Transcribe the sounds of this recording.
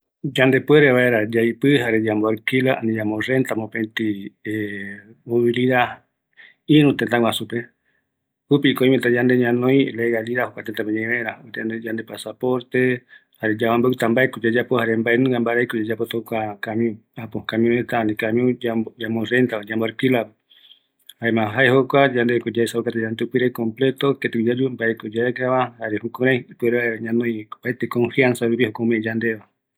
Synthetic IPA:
d͡ʒand̪e̞pweɾeβaeɾad͡ʒajpɨhaɾe̞d͡ʒamboaɾkilaʔa̰nĩd͡ʒamorent̪amopet̪iemoβiliða | ĩnũt̪ent̪ãwasupe | upikoĩmet̪ad͡ʒand̪e̞ɲãnõj̃leɣaliðahokʷat̪et̪apeɲẽβeeɾat̪ed͡ʒand̪epasapoɾt̪ehaɾed͡ʒaβambaut̪ambaekod͡ʒad͡ʒapohaɾembaenũambaɾaijkod͡ʒad͡ʒapot̪okakamĩũ | apohkamĩũet̪anikamĩũd͡ʒad͡ʒamorent̪aad͡ʒamboɾekilape | haemãɦaeɦokʷad͡ʒand̪ekod͡ʒaesaukat̪ed͡ʒand̪eupiɾekomplet̪oket̪ekud͡ʒad͡ʒumbaekod͡ʒaekaβahaɾehukuɾajpueɾeβaeɾaɲanõjbaet̪ekoɱfiansaɾuβihokoumẽd͡ʒand̪eβa

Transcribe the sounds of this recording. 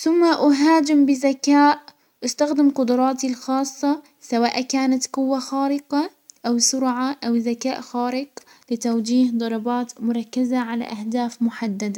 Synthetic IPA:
θʊmːaʔʊɦaːd͡ʒɪmbɪzakaːʔ | ʔʊst̪axd̪ɪmqʊd̪ʊɾˤɑːt̪ilxɑːsˤːɑ | sawaːʔkaːnat̪qʊwːaxaːɾɪqɑ | ʔawsʊɾʕaʔawzakaːʔxaːɾɪq | lɪt̪awd͡ʒiːhd̪ˤɑɾˤɑbɑːt̪mʊɾˤɑkːazaʕala̰ʔahd̪aːfmʊħad̪ːad̪a

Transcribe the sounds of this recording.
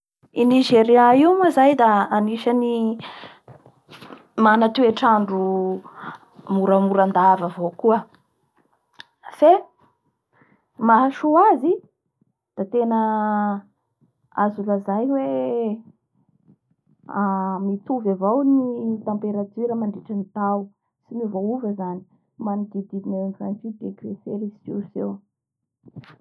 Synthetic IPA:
iniʒeɾiaiwmazajd̪aːniʃani | manat̪ueʈ͡ʂaɳɖ͡ʐu | muɾamuɾand̪avavowkuə | fe | maʃuazi | d̪̥at̪enə | azulazajwe | amit̪uvavownit̪ampeɾad͡ziɾəmaɳɖ͡ʐiʈ͡ʂanit̪aw | simivouvəzani̥ | maniɡ̪id̪iinenza̰nit͡sid̪ekvefeɾisusew

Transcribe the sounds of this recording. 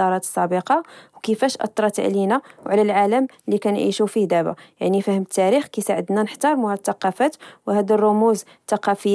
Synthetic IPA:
ɑɾˤɑt̪ə̥sˤːɑbəqɑwkəfæʃʔɑ̰t̪ˤːɾˤɑt̪a̰ʕlinæwʕlælʕaləm | likænʕḭʃufihd̪æbæ̰ja̰ʕnifæhəmət̪ːæɾixkijsaʕəd̪nænəħt̪ɑɾˤmuhæt̪ːɑqɑfæt̪whæd̪ərˤːʊmuz | t̪ːɑqɑfəjː

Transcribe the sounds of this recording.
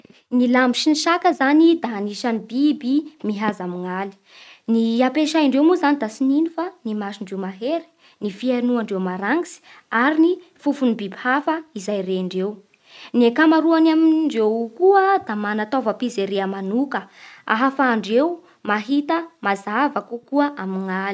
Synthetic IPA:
nilamiʃiniʃakəzanid̪aniʃanibibimiɦazamiŋali̥ | niapeʃajiɳɖ͡ʐewmuzanid̪asininifanimaʃiɳɖ͡ʐewmaɦeɾi̥ | nifienuaɳɖ͡ʐewmaɾaŋɡisi̥ | aɾini | fufunibibhafəizajreaɳɖ͡ʐew | nekamaɾuanamiɳɖ͡ʐewkuəd̪amanat̪ovəpizeɾeamanukəa̰ɦafaːɳɖ͡ʐew | maɦit̪əmazavakukuəʔamiŋali

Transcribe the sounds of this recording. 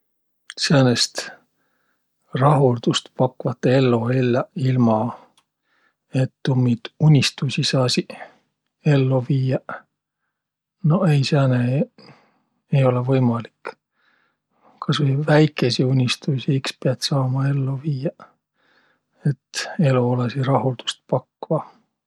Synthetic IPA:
seɑnest̪ | rɑɦuld̪̥ust̪pɑkːuvɑt̪ːˑee̞lːoelːɑilmɑ | e̞t̪ːumːit̪unʲːist̪usʲisɑːsi | e̞lːoviːɑ | no̞e̞jsæːne | e̞jo̞levɤjmɑlik | kʰɑsʋijvæjkːˑe̞siunʲist̪usiikspeɑt̪sɑːmɑe̞lːoviːjɑ | e̞t̪ːe̞loolesirɑhuld̪̥u̥st̪̚pɑkːvɑ

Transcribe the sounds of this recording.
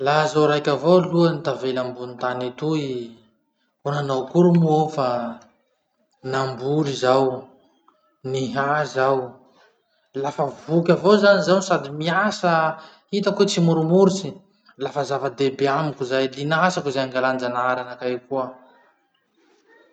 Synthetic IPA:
lazawɾajkʲavoluənit̪avelambunit̪anit̪ui | unanowkuɾumuofa | nambuɾizaw | niɦazaw | lafəvukʲavozanizawnisad̪imiasə | hit̪akut͡simuɾumuɾit͡si | lafəzavəd̪ebeamikuzajlinasakuzajŋɡaland͡ʒanaɾanakajkuə

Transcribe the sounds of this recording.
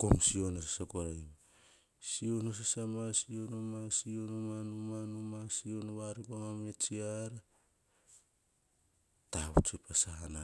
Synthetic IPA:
komsio̞nosasakoɾajma | sio̞nos̬asamasio̞nomasionomanumanumasionoβaɾikomamet͡ʃiaɾa | taṵt͡ʃepasaɦana

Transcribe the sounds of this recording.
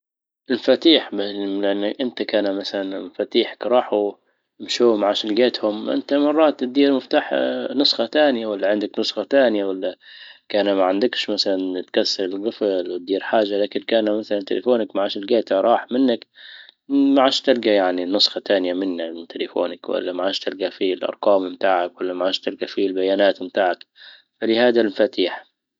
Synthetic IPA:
ʔɪlmafat̪iːħbalɪʔanːaʔɪnt̪akaːnamaθalanmafat̪iːħḁkɾˤɑːħu | mʃuːmaʕaʃɪlɡeːt̪hʊmʔɪ̰nt̪amɑrˤːɑːt̪d̪iːɾmɪft̪aːħnʊsˤxɑt̪aːnɪjawalːaʕɪnd̪aknʊsˤxɑt̪aːnɪjawalːakaːnamaʕand̪ɪkʃmaθalant̪kasːɑɾɪlɡɪflwɪt̪̚d̪iːɾħaːʒːalaːkɪnkaːnmaθalant̪ɪlḛfoːnakmaʕaːʃɪlɡaːt̪ɾˤɑːħmɪnːak | maʕaːʃt̪ɪlɡajaʕninʊsˤxɑt̪aːnɪjamɪnːaɪt̪ɪlɪfo̰ːnakwa̰lːamaʕaːʃt̪ɪlɡafilʔɑ̰ɾˤqɑːmmt̪aːʕakwalːamaʕaːʃt̪ɪlɡafilbajaːnaːt̪mt̪aːʕak | falɪhaːd̪almfat̪iːħ

